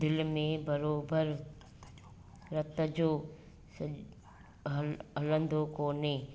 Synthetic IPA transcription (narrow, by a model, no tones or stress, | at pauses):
d̪ɪlmẽbɐɾoːbəɾ | ɾɐt̪əd͡ʒoː | s | ɐlə̃nd̪ʱokoːneː